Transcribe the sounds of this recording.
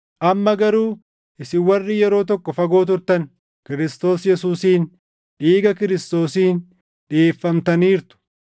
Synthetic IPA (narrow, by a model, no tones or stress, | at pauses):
ʔɐmːɐɡɐɾuː | ʔɪsɪwɐrːɪjɛɾo̞ːt̪̬ɔkːɔfɐɡo̞ːt̪̬ʊɾt̪ɐn | kɪɾɪst̪o̞ːsjɛsuːsiːn | ᶑiːɡɐkɪɾɪst̪o̞ːsiːn | ᶑɪeːfːɐmt̪ɐniːɾt̪ʊ̥